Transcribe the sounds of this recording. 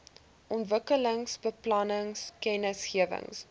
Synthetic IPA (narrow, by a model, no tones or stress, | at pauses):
ʔɔntvəkələŋsbəplɐnəŋskɛnəsχiəvə̰ŋs